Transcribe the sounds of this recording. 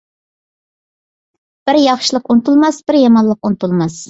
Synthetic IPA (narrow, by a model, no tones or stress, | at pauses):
b̥ɪɾjɑχʃɪlˠəqunt̪ulˠmɑsbɪɾjɑmɑnlˠəqunt̪ulˠmɑs